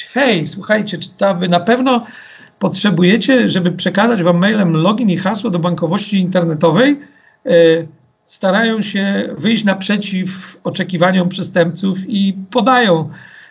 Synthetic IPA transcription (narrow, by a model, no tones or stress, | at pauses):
xɛjswuxajt͡ɕɛt͡ʂt̪ɔabɘnapɛvnɔ | pɔtʂɛbujɛt͡ɕɛʐɛbɘpʂɛkazad͡ʑvamːɛjlɛmlɔɡʲinixaswɔd̪ɔbaŋkɔvɔɕt͡ɕiːnt̪ɛɾnɛt̪ɔvɛj | st̪aɾajɔ̃w̃ɕɛvɘjɕt͡ɕnapʂɛt͡ɕifɔt͡ʂɛkʲivaɲɔmpʂɛst̪ɛmp̚t̪sufipɔd̪ajɔ̃w̃